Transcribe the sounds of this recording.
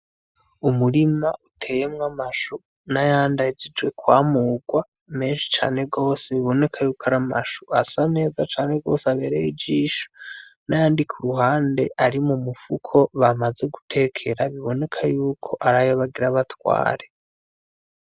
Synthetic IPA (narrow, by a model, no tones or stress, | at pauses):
umuɾimaʔutʰe̞ːjemŋamaʃu | najaːndad͡ʒid͡ʒwe̞kwaːmuːɡwa | me̞ːnʃi̥t͡ʃa̰ːne̞ɡo̞ːse̞βiβo̞ne̞kʰajuːkaɾamaʃuasane̞ːzat͡ʃaːne̞ɡo̞̰ːseaβe̞ːɾejid͡ʒiːʃo̥najaːndikʰuɾuɦaːnde̞ʔaɾimumufukʰo̞βamaze̞ɡutʰe̞kʰe̞ɾaβiβo̞ne̞kʰajuːkʰo̞ʔaɾajoβaɡiɾaβatwa̰ːɾe̞